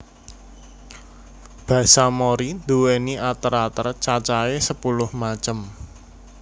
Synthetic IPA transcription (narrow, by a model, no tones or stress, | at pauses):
b̥ä̤samoɾid̪̥uweniʔat̪əɾat̪ərt͡ʃat͡ʃaesəpulʊhmat͡ʃəm